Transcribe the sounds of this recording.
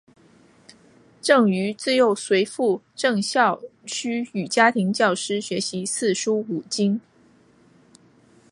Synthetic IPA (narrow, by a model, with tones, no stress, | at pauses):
ʈ͡ʂɤ˥˩ŋy˧˥t͡sɹ̩˥˧jo˥˩ʊswe˧˥ɪfu˥˩˧ | ʈ͡ʂɤ˥˧ŋɕjɑ˥˩ʊɕʰy˥y˨˩t͡ɕja˥t̪ʰi˧˥ŋt͡ɕjɑ˥˩ʊʂɻ̩˥ɕɥɛ˧˥ɕi˧˥sɹ̩˥˩ʂu˥u˨˩t͡ɕi˥ŋ